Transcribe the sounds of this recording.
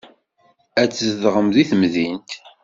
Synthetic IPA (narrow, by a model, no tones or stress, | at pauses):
æt͡sːzðʁəmðiθmðint̪